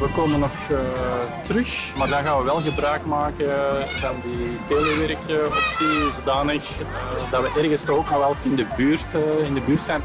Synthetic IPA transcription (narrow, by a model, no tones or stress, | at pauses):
ʋəkoːmənːɔx | tərʏxmaːrdɑnɣaːnʋəʋɛlˠɣəbɾœːkmaːkənvɑnditeːləʋɛɾkəɔpsizodaːnəxdɑʋəʔɛrɣənstɔɣoknɔlɛlˠtɪndəbyːrtɪndəbyːrtsɛːn